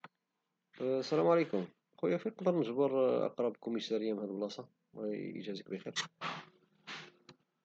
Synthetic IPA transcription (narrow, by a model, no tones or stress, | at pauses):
sælæmʕalekʊm | qujæfiqd̪əɾˤnəʒbɑɾˤʔɑ̰qɾˤɑbkʊmisæɾəjːamhæd̪blɑsˤɑ | wʔḭʒæzəkbəxiɾ